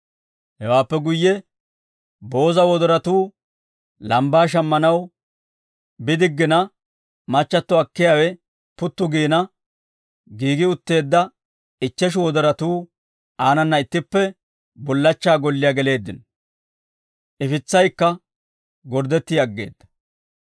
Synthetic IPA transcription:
hɛwaːpːɛɡʊjːɛ | bo̞ːzɐwɔd̪ɔɾɐt̪uː | lɐmbaːʃ̬ɐmːɐnɐw | bɪd̪ɪɡːɪnɐ | mɐt͡ʃːɐt̪ːɔɐkːɪjaːwɛ | pʊt̪ːʊɡiːnɐ | ɡiːɡɪʊt̪ːe̞ːd̪ːɐ | ɪt͡ʃːɛʃ̬ʊwɔd̪ɔɾɐt̪uː | aːnɐnːɐɪt̪ːɪpːɛ | bɔlːɐt͡ʃːaːɡɔlːɪjaːɡɛle̞ːd̪ːɪn | ʔɪfɪt͡sːɐjkːɐ | ɡɔɾd̪ɛt̪ːiɐɡːe̞̰ːd̪̥ːɐ̥

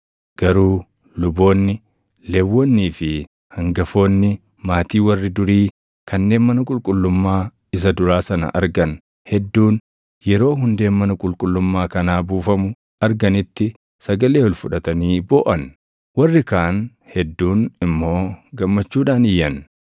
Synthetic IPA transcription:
ɡ̥ɐɾuː | lʊbo̞ːnːɪ | lɛwːɔnːiːfɪ | hɐŋɡɐfo̞ːnːɪ | maːt̪iːwɐrːɪd̪ʊɾiː | kʰɐnːe̞ːnmɐnɐkʼʊlkʼʊlːʊmːaː | ɪs̬ɐd̪ʊɾaːsɐnɐ̰ʔɐ̰ɾɡɐn | hɛd̪ːuːn | jɛɾo̞ːɦʊnd̪e̞ːnmɐnɐkʼʊlkʼʊlːʊmːaːkɐnaːbuːfɐmʊ | ɐɾɡɐnɪt̪ːɪ | sɐɡɐle̞ːɔlfʊᶑɐt̪ɐniːboːʔɐn | wɐrːɪkaːn | hɛd̪ːuːnɪmːo̞ːɡɐmːɐt͡ʃːuːᶑaːnɪjːɐn

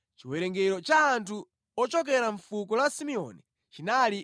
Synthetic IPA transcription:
t͡ʃiwɛɾɛŋɡɛɾɔt͡ʃaːntʰu | ɔt͡ʃɔk̬ɛɾaɱfukɔlasimiɔ̰ni | t͡ʃinali

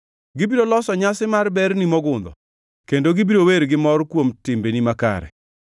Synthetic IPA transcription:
ɡibiɾolɔsɔɲasɪmarbɛrnimɔɡʊnd̪ɔ | kendoɡibiɾoweɾɡɪmɔrkwomtɪmbenimaka̰ɾɛ̰

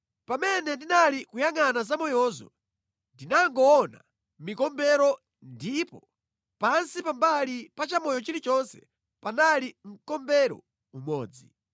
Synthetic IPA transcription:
pamɛnɛndinalikujaŋanazamɔjɔːzɔ̰ | ndinaŋɡɔːna̰ | mikɔmbɛɾɔ | ndipɔ | pansipambalipat͡ʃamɔjɔt͡ʃiɾit͡ʃɔnsɛ̰ | panalim̩kɔmbɛɾɔ̰ | umɔːd͡zi

